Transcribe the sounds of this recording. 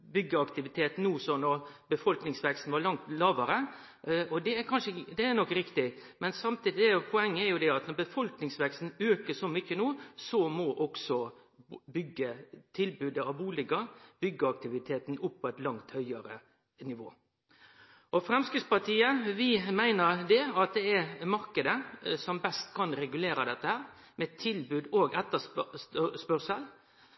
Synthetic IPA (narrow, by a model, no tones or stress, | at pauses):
bʏɡːəɑkt̪ɪʋɪt̪ʰeːt̪n̩nuːsɔnɔɾbəfɔlknɪŋsʋɛkst̪n̩ʋɑɾɭɑŋt̪lɑːʋəɾə | ɔd̪ɛːɾkʰɑnʂəɪd̪ɛænɔkːɾɪkt̪ɪmɛnsɑmt̪ʰiːd̪ɪɛpʰɔɛŋːəɛɾjʊd̪ɛɑt̪nɔɾbəfɔlknɪŋsʋɛkst̪n̩øːkəsɔmʏçːənuːsɔmɔʔɔksɔ | bʏɡːət̪ʰɪlbʉːd̪əɑʋbuːlɪɡəb̥ʏɡːəɑk̚t̪ɪʋɪt̪ʰeːt̪n̩ʊpʰːɔɛt̪lɑŋt̪hœʏəɾə | nɪʋoː | ɔfɾɛmskɾɪt̪spɑt̪ʰiːəʋɪmæɪnəɾd̪ɛɑt̪̚d̪ɛɛɾmɑɾkəd̪əsɔmbɛst̪kʰɑnɾɛɡʉleːɾɑd̪ɛt̪ːəhæːɾ | mɛt̪ʰɪlbʉːd̪oːɡɛt̪ːəs | spœɾsəl